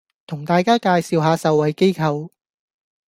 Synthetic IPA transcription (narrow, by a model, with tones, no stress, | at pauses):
t̪ʰʊ˨˩ŋt̪aː˨˧jkaː˥kaː˧jsiː˨wɦaː˨˧sɐ˨wːɐ˨˧jke˥jkʰɐ˨˧w